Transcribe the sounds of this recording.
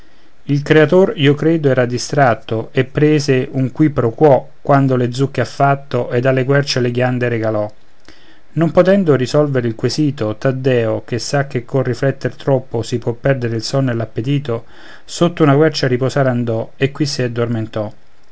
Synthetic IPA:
ilkɾeat̪oriokɾeːd̪oɛːɾad̪ist̪ɾat̪ːoepːɾeːzeʔuŋkwipːɾokwɔ | kːwand̪oled̪zːukːeafːat̪ːoʔed̪ːalːekwɛrt͡ʃeleɡjand̪eɾeɡalɔ | nompot̪ɛnd̪orisɔlveɾilkwesiːt̪ot̪ad̪ːɛːok̟esːak̟ːekʰːorːiflɛt̪ːert̪ɾɔpːosipwɔpːɛrd̪eɾeilsɔnːelapːet̪iːt̪o | sot̪ːounakwɛrt͡ʃaɾiposaːɾand̪ɔekːwisiad̪ːorment̪ɔ

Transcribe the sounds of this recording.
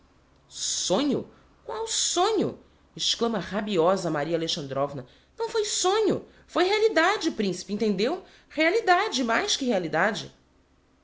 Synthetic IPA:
sõɲʊ̰ | kwawsõɲʊ̰ | ɪʃklɐ̃mɐʁabiɔzɐmaɾiɐaleʃɐ̃nd̪ɾɔvnɐ | nɐ̃w̃fojsõɲʊ | fojɦealid̪ad͡ʒɪpɾĩsi̥pɪẽnt̪ẽnd̪ew | healid̪ad͡ʒɪmajskɪɦealid̪ad͡ʒɪ

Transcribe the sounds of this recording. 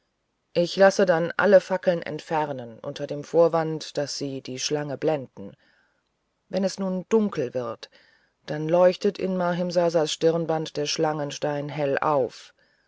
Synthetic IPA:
ʔɪçlasədanʔa̰ləfakl̩nʔɛ̰ntfɛʁnənʔʊ̰ntʰɐdeːmfoːɐvantd̥asz̥iːd̥iːʃlaŋəblɛndn̩ | vɛnɛsnuːnd̥ʊŋkl̩vɪʁt | d̥anlɔʏçtətɪ̰nmaːɦɪmzaːzaːsʃtɪʁnbantd̥eːɐʃlaŋənʃtaɪnɦɛlʔa̰ʊf

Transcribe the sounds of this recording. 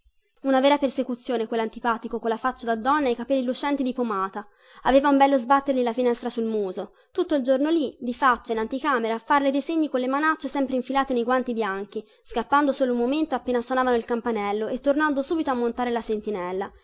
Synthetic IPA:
unavɛːɾapersekut̪sːjoːnekwelːant̪ipaːt̪ikokolːafat͡ʃːad̪ad̪ːɔnːaekapɛlːilut͡ʃɛnt̪id̪ipomaːt̪a | aveːvaumbɛlːozbat̪ːerʎilafinɛst̪ɾasulmuːzo | t̪ut̪ːoild͡ʒornolid̪ifat͡ʃːainant̪ikaːmeɾafarled̪ejseɲːikonlemanat͡ʃːesɛmpɾeiɱfilaːt̪enejɡwant̪ibjaŋk̟i | skapːand̪osoːloumoment̪oapːeːnaswonaːvanoilkampanɛlːoet̪ːornand̪osuːbit̪oamːont̪aːɾelasent̪inɛlːa

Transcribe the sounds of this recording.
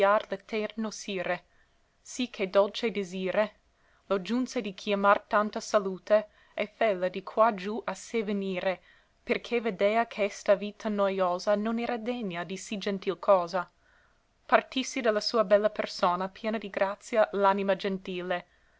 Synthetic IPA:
arlet̪ɛrnosiːɾe | sikʰːed̪olt͡ʃed̪eziːɾe | lod͡ʒunsed̪ikʰjamart̪ant̪asaluːt̪e | ɛfɛlːad̪ikʰwad͡ʒuʔaseveniːɾe | perkʰeved̪eːakʰɛst̪aviːt̪ʰanojoːzanonɛːɾad̪ɛɲːad̪isid͡ʒɛnt̪ilkʰɔːza | part̪isːid̪alːasuːɐbɛlːapersoːnapjɛːnad̪iɡɾat̪sjalanimad͡ʒent̪iːle

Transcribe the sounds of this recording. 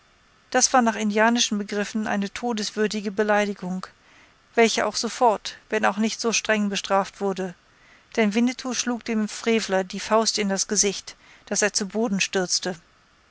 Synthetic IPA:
d̥asv̥aːɐnaːχɪndiaːnɪʃn̩bəɡʁɪfn̩ʔa̰ɪnətʰoːdəsv̥ʏɐdɪɡəbəlaɪdɪɡʊŋ | v̥ɛlçəʔa̰ʊxz̥ofɔɐtv̥ɛnaʊxnɪçtz̥oːʃtʁ̥ɛŋbəʃtʁ̥aːftv̥ʊɐdə | d̥ɛnvɪnətʰuʃluːkd̥eːmfʁ̥eːvlɐdiːfaʊstɪndasɡ̥əzɪçt | d̥aseːɐt͡suboːdn̩ʃtʏɐt͡stə

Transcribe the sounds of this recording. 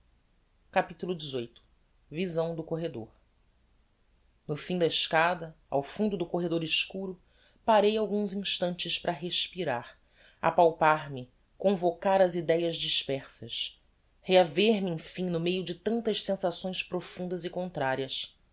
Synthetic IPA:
kapit̪ulʊd͡ʒɪzojt̪ʊ̥ | vizɐ̃w̃d̪ʊkoɦed̪o̰ɾ | nʊfĩd̪ɐɪʃkad̪ɐ | a̰wfũnd̪ʊd̪ʊkoɦed̪oɾɪʃkuɾʊ | paɾejawɡũzĩʃt̪ɐ̃nt͡ʃɪspɾɐɦeʃpiɾaɾ | a̰pawpaɾmɪ | kõvokaɾɐzid̪ɛjɐzd͡ʒiʃpɛχsɐs | heaveɾmɪẽfĩnʊmejʊd͡ʒɪt̪ɐ̃nt̪ɐʃsẽsasõj̃spɾofũnd̪ɐzɪkõnt̪ɾaɾiɐs

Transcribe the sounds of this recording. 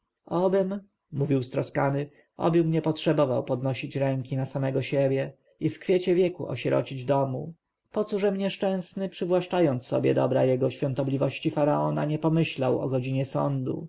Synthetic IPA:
ɔbɘm | muvʲiwst̪ɾɔskanɘ | ɔ̰bɘmɲɛpɔtʂɛbɔvawpɔd̪nɔɕit͡ɕɾɛŋkʲinasamɛɡɔɕɛbʲjɛ | ifkfʲjɛt͡ɕɛvʲjɛkṵʔɔ̰ɕɛɾɔ̰t͡ɕid͡ʑd̪ɔmu | pɔt̪suʐɛmɲɛʂt͡ʂɛ̃w̃snɘpʂɘvwaʂt͡ʂajɔnt̪sːɔ̰bʲjɛ̰d̪ɔbɾajɛɡɔɕfʲjɔ̃nt̪ɔblʲivɔɕt͡ɕifaɾaɔnaɲɛpɔmɘɕlawɔ̰ɡɔd͡ʑiɲɛsɔ̰nd̪ṵ

